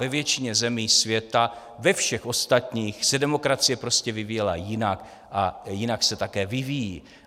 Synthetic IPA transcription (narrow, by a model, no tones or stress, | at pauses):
vɛvjɛt͡ʃɪɲɛzɛmiːsvjɛt̪a | vɛfʃɛxʔo̞st̪at̪ɲiːxsɛdɛmo̞kɾat͡sɪjɛpɾo̞scɛvɪvijɛlajɪnak | ʔajɪnaksɛt̪akɛːvɪvijiː